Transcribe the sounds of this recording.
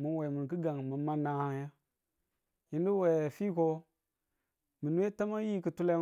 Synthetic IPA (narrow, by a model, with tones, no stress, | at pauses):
mu˨nwe˨mu˨n˨ki˦ɡa˨ŋmu˨ma˦na˨hja˦ | ji˦ndi˦we˨fi˦ko˦ | mi˨n˦e˦ta˦ma˦ji˦kɨ˨tu˦la˦